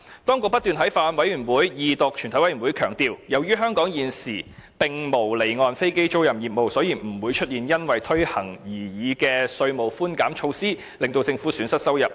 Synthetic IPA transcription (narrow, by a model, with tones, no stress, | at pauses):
t̪ɔː˥ŋkʊ˨k̚pɐ˥t̪yː˨nhɐ˨˥jfaː˧nwɐ˨˥jyː˨˩nwuː˨˥jjiː˨t̪ʊ˨k̚t͡ʃʰy˨˩nt̪ʰɐ˨˥jwɐ˨˥jyː˨˩wuː˨˥jkʰœː˨˩ŋt̪iː˨wjɐ˨˩wjyː˥ɦœː˥ŋkɔː˨˥ŋjiː˨nsiː˨˩pɪ˨ŋmo˨˩wle˨˩jŋɔː˧nfe˥jke˥jt͡so˥wjɐ˨˩mjiː˨t̚mo˨wsɔː˨˥jiː˨˩m̩˨˩wuː˨˧jt͡ʃʰɵ˥t̚jiː˨njɐ˥nwɐ˨jt̪ʰɵ˥ɥhɐ˨˩ŋjiː˨˩jiː˨˧kɛː˧sɵ˧ɥmo˨˩wfuː˥nkaː˨˥mt͡ʃʰo˧wsiː˥ | lɪ˨ŋt̪o˧wt͡sɪ˧ŋfuː˨˥syː˨˥nsɐ˥t̚sɐ˥wjɐ˨˩p̚